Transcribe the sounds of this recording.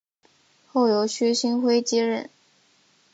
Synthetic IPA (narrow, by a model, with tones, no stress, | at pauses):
xo˥˩ʊjo˧˥ʊɕʰy˥ɕi˥nxwe˥ɪt͡ɕi˥ɻə̰˥˩n